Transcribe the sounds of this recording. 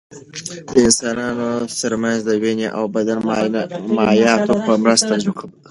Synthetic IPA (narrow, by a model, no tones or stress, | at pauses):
d̪əɪnsɑnɑnot̪əɾmanzd̪əweneʔa̰wbad̪an | majɑt̪opəmɾəst̪aʒukʰab